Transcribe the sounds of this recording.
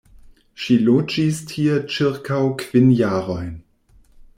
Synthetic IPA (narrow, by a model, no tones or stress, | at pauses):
ʃiːloːd͡ʒistʰiːɐt͡ʃɪʁkʰaʊkʰv̥ɪnjaːʁɔɪn